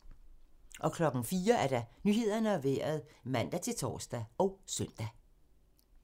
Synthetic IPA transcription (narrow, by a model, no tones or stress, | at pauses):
ʔɒ̽kʰlɒ̽ɡ̥ŋ̩fiːɐæɐɾ̥ɑ̈nyhe̝ð̞̰ˠɐnəæʋḛːɐð̞̩ˠmæn̰d̥æt͡sʰe̝lt͡sʰɒ̰ːsd̥æɒ̽ʊsœn̰d̥æ